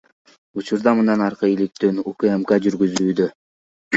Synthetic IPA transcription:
ut͡ʃuɾd̪ɑmɯnɑnɑɾqɯilik̚t̪ønukemkad͡ʒyɾɡyzyːd̪ø

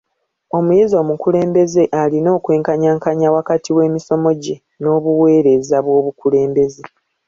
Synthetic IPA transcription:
o̞mujezo̞ːmukule̞ːmbe̞ze̞ʔalino̞ːkwe̞ːŋkaɲaːŋkaɲawakatʰiwe̞ːmiso̞mo̞ɟe̞ | no̞ːβuwe̞ːɾe̞zaβwo̞ːβukule̞ːmbe̞ze̞

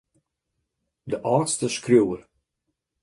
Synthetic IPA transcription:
dəʔɑːtstəskrjuwər

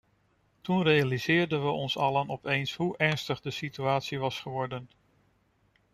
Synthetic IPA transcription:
tunrejalizɪːɹdənʋəʔɔnsɑlənɔpejnsɦuʔɛɹnstəχdəsityaːtsiʋɑsχəʋɔɹdən

